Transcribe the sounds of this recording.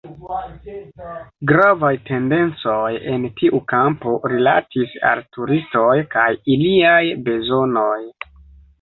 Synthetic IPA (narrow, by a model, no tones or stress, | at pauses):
ɡɾavajte̞nde̞nt͡so̞je̞ntiʔukampo̞ɾila̰tʰisa̰ltuɾisto̞jkajiliajbe̞zo̞no̞j